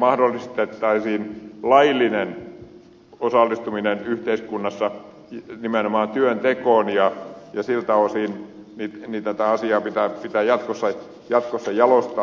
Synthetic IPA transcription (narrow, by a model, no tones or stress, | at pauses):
mɑhdolːˑist̪et̪ːɑisiːnlɑilːˑinen | osɑlːist̪uminenyht̪eiskunːɑsːɑ | nimenomɑːnt̪yønt̪ekoˑːnjɑjɑsilt̪ɑʋosiːn | nit̪nit̪æt̪æɑsiɑːpit̪æˑpit̪æjɑt̪kosːɑ | jɑt̪kosːɑjɑlost̪ɑ